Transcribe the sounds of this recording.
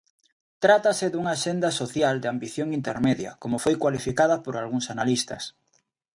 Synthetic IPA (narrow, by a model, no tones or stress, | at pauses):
t̪ɾat̪ɐsɪðuŋaːʃend̪ɐsoθjald̪eambiθjoŋint̪eɾmeðjɐ̰komofojkwalifikaðɐpoɾalɣuŋsanalist̪ɐ̰s